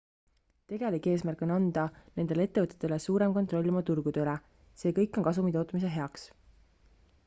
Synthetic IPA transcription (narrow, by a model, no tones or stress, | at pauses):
t̪e̞ɡ̥e̞likːˑe̞ːsmærkˑo̞nɑnd̪̥ɑne̞nd̪̥e̞lee̞t̪ːe̞vɤt̪ːˑe̥t̪ːˑelesuːɾe̞mkont̪ˑro̞lʲːimɑt̪urɡ̥ud̪̥øyle | se̞ːkɤjkːˑo̞nkɑsumit̪o̞ːt̪ːˑmis̬eɦe̞ɑks